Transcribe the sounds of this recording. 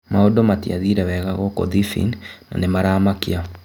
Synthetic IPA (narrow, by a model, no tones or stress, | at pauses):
maodomatiaðiɾɛwɛɣaɣɔkɔ̰ðifḭnna̰nemaɾaːmakia